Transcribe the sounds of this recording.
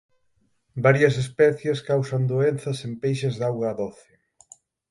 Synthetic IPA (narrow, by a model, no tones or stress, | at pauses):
baɾjɐs̬espɛθjeskawsɐnd̪oenθɐsempejʃɐzðawɣɐːðoθɪ